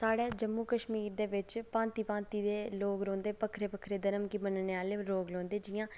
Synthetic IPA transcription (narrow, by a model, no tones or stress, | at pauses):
saːɽeːd͡ʒəmːuːkəʃmiːɾd̪eːʋɪt͡ʃpãːnt̪iːpãːnt̪iːd̪eːloːɡɾõːnd̪eːpəkʰɾeːpəkʰɾeːd̪ənəmkiːmənneːaːleɾoːɡlõːnd̪eːd͡ʒɪjãː